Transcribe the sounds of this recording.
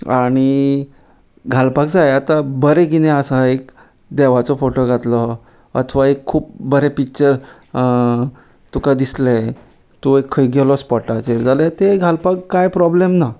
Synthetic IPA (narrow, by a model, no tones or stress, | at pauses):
aɽ̃i | ɡʱalpak̚d͡zajat̪abəɾeɡineəsaek | d̪ɛʋat͡sɔfoʈoɡʱat̪lɔ | ə̰t̪ʰʋaekʰːuːp̚bəɾepik̚t͡ɕəɾ | t̪ukad̪islɛ | t̪oekʰːəjɡɛlɔspɔʈat͡ɕeɾd͡zalet̪eɡʱalpakkːajpɾɔblemna